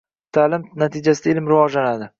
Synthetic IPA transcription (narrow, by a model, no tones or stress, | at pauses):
t̪ʰaːlɪmnat̪ʰid͡ʒasɪd̪aɪlmɾɪvɒd͡ʒlanad̪ɪ